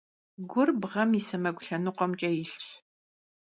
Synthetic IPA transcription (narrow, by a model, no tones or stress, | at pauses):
ɡʷʊrbʁɐmisɐmɐɡʷʊɬɐnɨqʷɔmt͡ʃʼɐjɪɬɕ